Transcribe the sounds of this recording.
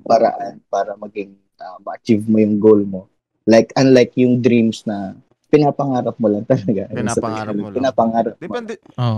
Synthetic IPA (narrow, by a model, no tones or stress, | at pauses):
pɐɾɐ̰ʔanpaːɾɐmɐɡɪŋ | ʔɐmɐʔɐt͡ʃivmojʊŋɡolmo̞ | lajkɐnlajkjʊŋd̪ɾimsnɐ | pɪnapɐŋaːɾɐp̚molɐŋt̪ɐlɐɡajʊnsɐpɐɡ̪ɐlɐpɪnapɐŋaːɾɐp̚moa